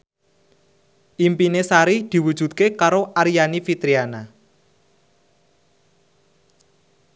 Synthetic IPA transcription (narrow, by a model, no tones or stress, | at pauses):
ʔimpinesaɾid̪̥i̤wud̥ʒ̥ṳt̪̚kekaɾoʔaɾijanifit̪ɾiana